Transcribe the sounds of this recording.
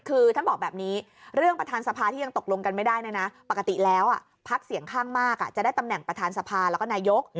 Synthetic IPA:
kʰɯː˧t̪ʰa˥˩bɔː˨˩k̚bɛː˨˩p̚niː˦˥ | ɾɯ˥˩əŋpɾa˧t̪ʰaː˧nsa˧pʰaː˧t̪ʰiː˥˩ja˧ŋt̪o˨˩k̚lo˧ŋka˧nma˥˩jdaː˥˩jna˦˥˩na˦˥pa˨˩kːa˧t̪i˨˩lɛː˦˥wʔa˨˩ | pʰa˦˥k̚si˨˩˦əŋkʰaː˥˩ŋmaː˥˩kʔa̰˨˩t͡ɕa˨˩da˥˩jt̪a˧mnɛ˨˩ŋpɾa˧t̪ʰaː˧nsa˧pʰaː˧lɛː˦˥kɔː˥˩naː˧jo˦˥k̚

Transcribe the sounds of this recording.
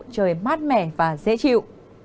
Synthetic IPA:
t͡ɕəː˨˩jmaː˦˥t̚mɛ˧˩vaː˨˩zḛ˧˥t͡ɕḭ˧˨w

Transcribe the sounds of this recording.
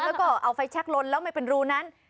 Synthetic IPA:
lɛː˦˥wkɔː˥˩ʔa˧˩wfa˧jt͡ɕʰɛ˦˥k̚lo˧nlɛː˦˥wma˥˩jpe˨nɾuː˧na˦˥n

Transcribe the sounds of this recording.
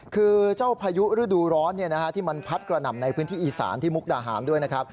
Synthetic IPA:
kʰɯː˧t͡ɕa˥˩wpʰaː˧ju˦˥ɾɯ˦˥˩duː˧ɾɔː˦˥nːi˥˩na˦˥kʰa˦˥t̪ʰiː˥˩ma˧npʰa˦˥t̪̚kɾa˧na˨˩mna˧jpʰɯː˦˥nt̪ʰiː˥˩ʔiː˨˩sa̰ː˩˦nt̪ʰiː˥˩mu˦˥k̚daː˧˩ɦa̰ː˩˦ndu˥˩əjna˦˥kʰɾa˦˥p̚

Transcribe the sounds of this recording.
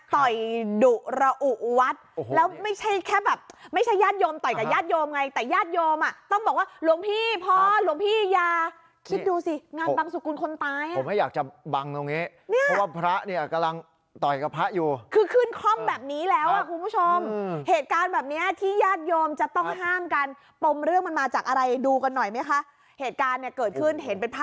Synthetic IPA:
t̪ɔ˨˩jdu˨˩ɾa˧ʔu˨˩ʔwa˦˥t̪̚lɛː˦˥wma˥˩jt͡ɕʰa˥˩jkʰɛː˥˩bɛː˨˩p̚ma˥˩jt͡ɕʰa˥˩jːaː˥˩t̪̚joː˧mt̪ɔ˨˩jka˨˩jaː˥˩t̪̚joː˧mŋa˧jt̪ɛː˨˩jaː˥˩t̪̚joː˧mʔa˨˩t̪ɔ˥˩ŋbɔː˨˩k̚waː˥˩ɾu˧əmpʰiː˥˩pʰɔː˦˥lu˧əŋmpʰiː˥˩jaː˧ | kʰi˦˥t̪̚duː˧si˧ŋaː˧n˦ba˧ŋsu˨˩ku˧nkʰo˧nt̪aː˧jʔa˨˩˦ma˥˩jaː˨˩k̚t͡ɕa˨˩ba˧ŋt̪o˧ŋːi˦˥ | ni˦˥˩ɔ˦waː˥˩pʰɾa˦˥ʔni˥˩˨ka˧la˧ŋ | t̪ɔ˨˩jka˧pʰɾa˦˥ʔjuː˨˩kʰɯː˧kʰɯ˥˩nkʰɾɔ˥˩mbɛː˨˩p̚niː˦˥lɛː˦˥wʔa˨˩kʰu˧npʰu˦˥t͡ɕʰo˧mheː˨˩t̪̚kaː˧nbɛː˨˩p̚ni˦˥ɐt̪ʰiː˥˩jaː˥˩t̪̚joː˧mt͡ɕa˨˩t̪ɔ˥˩ŋɦaː˥˩mkaː˧n | p̪o˧mɾɯ˥˩əŋma˧nmaː˧t͡ɕaː˨˩k̚ʔa˧ɾa˧jduː˧ka˧nːɔ˨˩jma˦˥jkʰa˦˥ʔ | heː˨˩t̪̚kaː˧nːi˧˩ɐkɤː˨˩t̪̚kʰɯ˥˩nɦe˩˦npe˧npʰa˦˥

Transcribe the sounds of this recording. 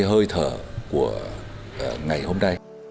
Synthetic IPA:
ɦəː˧jt̪ʰəː˧˩ku˧˩ə | ʔŋa˨˩jho˧mna˧j

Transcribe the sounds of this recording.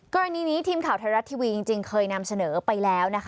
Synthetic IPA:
kɔː˧ɾa˧niː˧niː˦˥t̪ʰiː˧mkʰaː˨˩wt̪ʰaː˧ɾa˦˥t̪ʰi˧wiː˧ji˧ŋt͡ɕi˧ŋkʰɤː˧jna˧msa˧nɤː˩˦pa˧jlɛː˦˥wna˦˥kʰ

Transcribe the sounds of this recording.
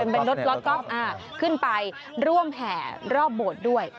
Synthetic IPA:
e˧npe˧nɾo˦˥t̪̚ɾo˦˥t̪̚kɔ˦˥˩p̚ʔaː˧˩ | kʰɯ˥˩npa˧j | ɾu˥˩əmhɛː˩˦ɾɔː˥˩p̚boː˨˩t̪̚du˥˩əj

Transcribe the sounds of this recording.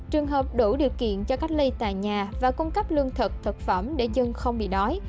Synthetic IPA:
t͡ɕɨ˨˩əŋɦəː˨˩p̚ɗu˧˩ɗi˨˩əwkḭ˧˨ənt͡ɕɔ˧ka˦˥k̚lə˧jt̪a̰ː˧˨jɲaː˨˩vaː˨˩ku˧ŋ͡mkə˦˥p̚lɨ˧əŋt̪ʰə˨˩k̚t̪ʰə˨˩t̚fə˧˩mɗe˧˩zə˧ŋxə˧wŋ͡mɓḭ˧˨ɗɔ˨˦j

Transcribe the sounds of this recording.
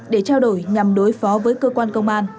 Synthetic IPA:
ɗe˧˩t͡ɕaː˧wɗo˧˩jɲa˨˩mɗo˨˦jfɔ˨˦vəː˨˦jkəː˧kwaː˧nkə˧wŋ͡mʔaː˧n

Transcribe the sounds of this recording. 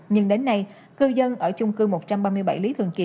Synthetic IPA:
ɲɨ˧ŋɗe˨˦nːa˧j | kɨ˧zə˧nʔəː˧˩t͡ɕʊ˧ŋ͡mkɨ˧mo˨˩t̚t͡ɕa˧mɓaː˧mɨ˧əjɓa˧˩jli˨˦t̪ʰɨ˨˩əŋki˧˩

